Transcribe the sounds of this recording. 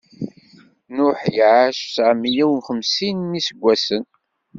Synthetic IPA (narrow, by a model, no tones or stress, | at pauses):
nʊħjʕaʃsʕəmːijæwnχəmsinːisəɡʷːæsən